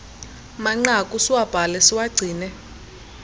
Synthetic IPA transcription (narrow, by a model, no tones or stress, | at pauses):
maŋ͡ǀakʼusiwab̥ʱalɛsiwaɡ͡ǀʱiːnɛ